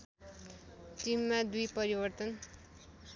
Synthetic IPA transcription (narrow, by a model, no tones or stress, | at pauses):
ʈimːad̪ujpʌɾibʌrt̪ʌn